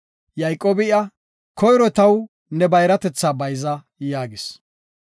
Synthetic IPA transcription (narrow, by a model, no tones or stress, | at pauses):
jɐjkʼːoːbɪɐ | kʰɔjɾɔt̪ɐw | nɛbɐjɾɐt̪ɛt͡sːaːbɐjzɐ | jaːɡɪs